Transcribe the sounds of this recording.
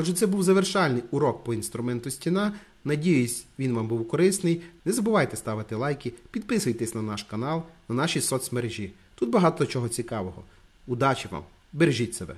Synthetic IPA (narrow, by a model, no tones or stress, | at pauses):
ɔʒɛt̪sɛbuwzɐʋerʃɑlʲnɪjʊɾɔk̚pɔinst̪ɾʊmɛnt̪ʊsʲtʲinɑ | nɐdʲijʊsʲʋʲinʋɑmbuwkɔɾɪsnɪjnɛzɐbʊʋɑjt̪ɛst̪ɑʋɪt̪ɪlˠɑjkʲipʲid̪̚pɪsʊjt̪ɛsʲnɐnɑʃkɐnɑlˠnɐnɑʃisɔt̪smeɾeʒʲi | t̪ut̪̚bɐɦɑt̪ɔt͡ʃɔɦɔt͡sʲikɑʋɔɦɔ̰ | ʊd̪ɑt͡ʃiʋɑ̰m | beɾʒʲitʲsebɛ̰